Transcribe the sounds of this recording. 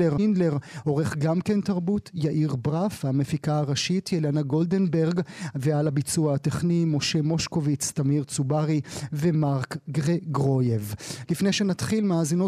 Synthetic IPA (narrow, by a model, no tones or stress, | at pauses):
eʁndle̞ʁho̞ʁeχɡamke̞ntaʁbutjaʔiʁbʁafhamefikaaʁaʃitjelanaɡo̞lde̞nbeʁɡvealabit͡suaateχnimo̞ʃe̞mo̞ʃko̞vit͡stamiʁt͡subaʁivemaʁkɡʁeɡʁo̞jevlifnejʃenatχilmaːzino